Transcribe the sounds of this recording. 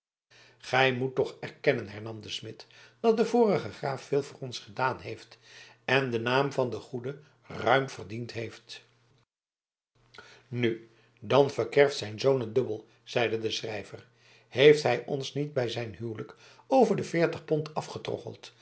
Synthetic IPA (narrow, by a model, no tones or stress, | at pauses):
χɛjmutːɔχɛrkɛnənɦɛɹnɑmdəsmɪtd̥ɑt̚dəvʊːrəχəχraːfːɪːlˠvʊːrɔnsχədaːnɦejft | ɛndənaːmvɑndəχudə | rœɥmv̥ərdintɦejft | ny | dɑnvəɹkɛɹftsɛjnzownədɵbəlˠ | z̥ɛjdədəsrɛjvər | hejftɦɛjʔɔnsnid̚bɛjzɛjnɦywlək | owvəɹdəfɪːɹtəχpɔntɑfχətrɔ̰χə̰lˠt